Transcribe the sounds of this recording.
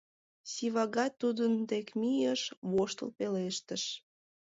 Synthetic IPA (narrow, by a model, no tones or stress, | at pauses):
siβɑɣɑt̪ːud̪ənt̪ekmijəʃβoʃt̪ə̰lpeleʃt̪əʃ